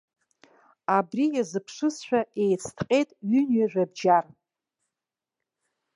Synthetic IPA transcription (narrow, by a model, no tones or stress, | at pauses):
abrijazɨpʰʂɨsʃᶣaejt͡sʰtʰqʲʼe̞jtʼɥynɥaʒᶣabd͡ʒar